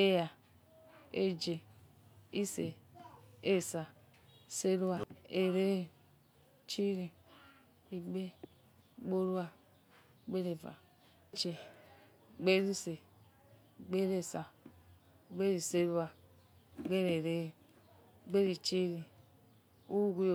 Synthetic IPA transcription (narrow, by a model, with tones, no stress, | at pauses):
e˦ja˨ | e˦d͡ʒe˨ | i˦se˨ | e˦˨sa˨ | se˦ɾu˦a˨e˨ɾe˦e˨ | t͡ʃi˦ɾi˨ | i˨ɡ͡be˦ | ɡ͡bo˦ɾu˦a˨ | ɡ͡be˦ɾe˨va̰˨˦ | t͡ʃe˨ | ɡ͡be˦ɾi˦se˨ | ɡ͡be˦ɾe˦˨sa˨ | ɡ͡be˦ɾi˨se˦ɾu˦a˨ | ɡ͡be˦ɾe˨ɾe˦˨ | ɡ͡be˦ɾi˨t͡ʃi˦ɾi˨ | u˦u˦ɡʷu˦j